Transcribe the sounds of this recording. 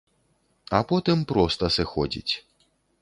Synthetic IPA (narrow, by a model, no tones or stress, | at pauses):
ɐpɔt̪ɨmpɾɔst̪ɐsɨxɔd͡zʲḭt͡sʲ